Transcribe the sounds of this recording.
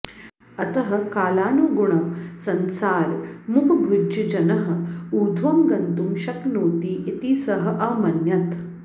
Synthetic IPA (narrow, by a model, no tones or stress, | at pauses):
ɐt̪ɐɦɐ̆kaːlaːnuːɡuɳ̃ɐmsɐnsaːɾmukʰbʱud͡ʒɐd͡ʒɐnɐɦɐ̆uɾd̪ʱʋɐmɡɐnt̪umɕɐknoːt̪iːʔit̪iːsɐɦɐ̆ʔɐmɐnjɐt̪